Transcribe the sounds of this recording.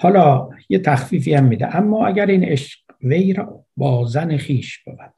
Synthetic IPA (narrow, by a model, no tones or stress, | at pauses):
hɒːlɒːjet̪ʰæxfiːfiːæmːiːd̪eʔæmːɒːæɟæɾiːneʃɢ | vejɾɒː | bɒːzænexiːʃb̥e̞bæɾd̪̥